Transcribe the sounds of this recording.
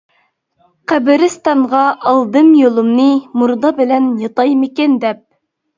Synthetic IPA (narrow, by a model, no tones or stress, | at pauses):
qʰæbɪɾɪst̪ɑɴʁɑɑlˠd̪ɨmjolˠumnɨmuɾd̪ɑbɪlɛnjɑt̪ɑjmɪkʲɛnd̪ɛp̚